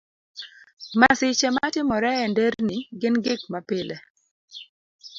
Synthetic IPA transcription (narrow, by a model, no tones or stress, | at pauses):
masɪt͡ʃɛmatɪmɔɾɛɛndeɾniɡɪnɡɪk̚mapɪlʔɛ